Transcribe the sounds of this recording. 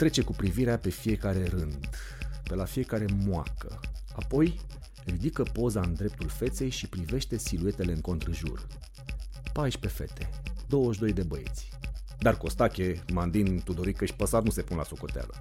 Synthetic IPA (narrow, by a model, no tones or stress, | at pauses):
t̪ɾe̞t͡ʃe̞kupɾiviɾeape̞fije̞kaɾe̞ɾɨnd̪pe̞lafije̞kaɾe̞moakə̰apo̞j | rid̪ikəpo̞zaɨnd̪ɾe̞p̚t̪ulfe̞t̪sejʃipɾive̞ʃt̪e̞silue̞t̪e̞le̞ɨŋko̞nt̪ɾɨʒṵr | paʃʲpe̞fe̞̰t̪ʰe̞d̪o̞wəʃd̪o̞jd̪e̞bəje̞̰t̪sʲ | d̪arko̞st̪akʲe̞mand̪int̪ud̪o̞ɾikəʃʲpəsanuse̞punla̰so̞ko̞t̪ea̰lə̰